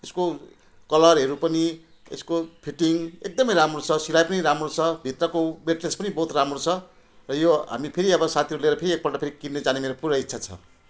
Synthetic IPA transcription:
esko | kʌlʌrɦʌɾupʌni | ḛskopʰiʈiŋek̚d̪ʌmʌjɾamrot͡sʰʌsilajpʌniɾamrot͡sʰʌbʱit̪rʌkobeʈlespʌnibʌɦut̪ramrot͡sʰʌ | rʌjoɦa̰mipʰeɾiʌbʌsat̪ʰiʌɾuleɾʌpʰeɾiek̚pʌʈʌpʰeɾikinːed͡zanemeɾopuɾʌitːt͡sʰat͡sʰʌ̰

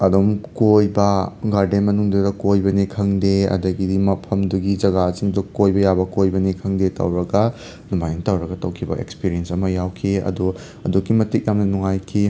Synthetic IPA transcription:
ɐdomkojbɐɡaɾdenmɐnuŋdudɐkojbɐnikʰɐŋdeɐ̰dɐɡidimɐpʰɐmduɡid͡ʒɐɡasiŋdukojbɐjabɐkojbɐnikʰɐŋdetɐ̰wɾɐɡɐ | numajnɐtɐwɾɐɡɐtɐwkʰibɐ̰ʔḛkspiɾiensɐmɐjawkʰiɐ̰du | ɐ̰dukːimɐtik̚jamnɐnuŋajkʰi

